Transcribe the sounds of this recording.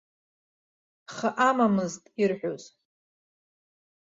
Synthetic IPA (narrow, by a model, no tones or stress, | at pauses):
χaʔamamɨztʼirħʷᶣoz̥